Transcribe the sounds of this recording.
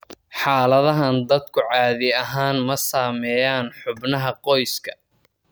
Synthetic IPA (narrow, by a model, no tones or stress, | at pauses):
ħɑːlɐðɐɦɐnd̪ɐd̪kʰʊʕɑːðɪɐɦaːnmɐsaːmɛːjaːnħʊbnɐɦɐqɔjskʰɐ̥